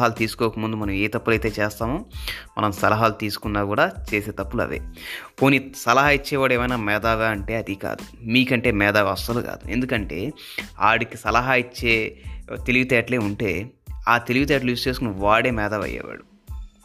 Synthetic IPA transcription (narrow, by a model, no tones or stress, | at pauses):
ɦaːlut̪iːsu̥koːkɐmund̪umɐnɐmeːt̪ɐpːulɐjt̪e̞ːt͡ʃɛːst̪aːmoːmɐ̰nɐmsɐlɐɦaːlut̪iːsu̥kunːaːkuːɽaːt͡ʃe̞ːseːt̪ɐpːulɐ̰ʋḛːko̞ːnisɐlɐɦaːjit͡ʃːɛːʋaːɽeːmɐjnaːmɛːd̪aːɡaːɐɳʈe̞ːɐd̪ika̰ːd̪umiːkɐɳʈe̞ːmɛːd̪aːɡɐsɐluka̰ːd̪uend̪ukɐɳʈe̞ː | aːɽikisɐlɐɦaːit͡ʃːeːt̪eliʋit̪ɛːʈle̞ːuɳʈe̞ːaːt̪e̞liʋit̪̬ɛːʈluʋist͡ʃe̞ːskunɐʋaːɽeːmɛːd̪aːʋɐ̰jːɛ̰ːʋa̰ːɽu